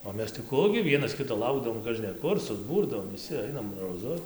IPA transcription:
oː ˈmʲɛs tɐɪ ˈkʊ ɡʲɪ ˈʋʲiɛnɐs ˈkʲɪtoː ˈlˠɐʊɡdɐʋoːm kɐʒʲnʲɛˈkʊr sʊˈbuːrdɐʋoːm ʋʲɪˈsʲɪ ˈɐɪnɐm roːˈzʊ

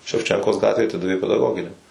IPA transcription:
ʃʲɛwˈt͡ʃʲɛŋkoːs ˈɡɑːtʲʋʲeːj ɐˈtʲɪdɐʋʲeː pʲɛdɐˈɡoːɡʲɪnʲɛm

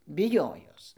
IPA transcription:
bʲɪˈjoːjoːs

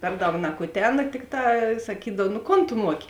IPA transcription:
ˈpʲɛr ˌdɐʊk nɐkʊˈtʲæːnɐ ˈtʲɪkˌtɑː sɐˈkʲiːdɐw nʊ ˈkoːn tʊ ˈmuɔkʲɪ

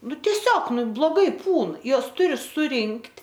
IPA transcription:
ˈnʊ tʲɛˈsʲoːk ˈnʊ blˠoːˈɡɐɪ ˈpuːn ˈjuɔs ˈtʊrʲɪ sʊˈrʲɪŋktʲ

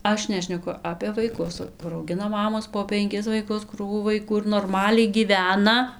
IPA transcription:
ˈɐʃ ˈnʲæːʃʲnʲɛkʊ ˈɑːpʲeː ʋɐɪˈkʊs kʊr ɐʊˈɡʲɪnɐ ˈmɑːmoːs poː pʲɛŋʲˈkʲɪs ʋɐɪˈkʊs ˈkruːʋuː ʋɐɪˈkuː ɪr noːrˈmɑːlʲɛɪ ɡʲiːˈʋʲæːnɐ

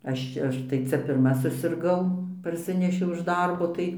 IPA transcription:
ˈɐʃ t͡ʃʲɛ ˈɐʃ tɐɪ ˈt͡sʲɛ pʲɪrˈmɐ sʊsʲɪrˈɡɐʊ pɐrʲˈsʲɪnʲɛʃʲɛʊ ɪʃ ˈdɐrboː ˈtɐɪ

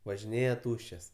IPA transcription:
ʋɐʒʲɪˈnʲeːjɛ ˈtuːʃʲt͡ʃʲɛs

